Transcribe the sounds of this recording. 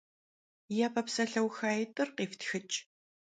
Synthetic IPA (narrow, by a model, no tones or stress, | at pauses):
jɛpʰɐpsɐɬɐwxaːjɪtʼɨrqiːftxɨt͡ʃʼ